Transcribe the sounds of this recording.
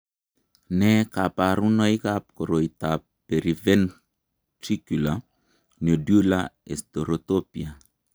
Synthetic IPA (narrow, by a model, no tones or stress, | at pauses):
nɛkapaɾunɔjkap̚koɾoita | pːeɾivɛn | tɾikula | nodulaestoɾotopia